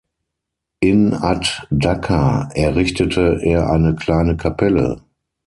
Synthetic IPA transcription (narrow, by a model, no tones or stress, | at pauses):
ʔɪnatdakʰaʔɛɐʁɪçtətʰəʔeːɐʔa̰ɪnəkl̥aɪnəkʰapʰɛlə̰